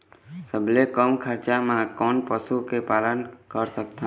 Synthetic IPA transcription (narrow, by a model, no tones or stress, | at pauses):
səblekəmkʰəɾt͡ʃamãkɔnpəsukepalənkəɾsək̚t̪ʰã